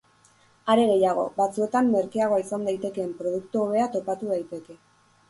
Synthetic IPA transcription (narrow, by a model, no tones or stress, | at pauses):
aɾe̞ɣe̞jaɣo̞̰βat͡sue̞t̪amːe̞ɾkiaɣ̞o̞isand̪ajt̪e̞ke̞ːmpɾo̞ð̞ukt̪uoβe̞at̪o̞pat̪uð̞ajt̪e̞ke̞